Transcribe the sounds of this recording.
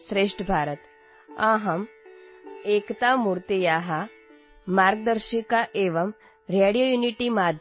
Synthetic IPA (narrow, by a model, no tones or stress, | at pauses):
sɾeːʂʈəbʱaːɾət̪ | ãːɦɐm | eːkt̪amuːɾt̪ijaːɦa | maːɾɡ̚d̪əɾʃikaʔeːʋəm | ɾeːɽijojuːniʈimaːd̪ʱ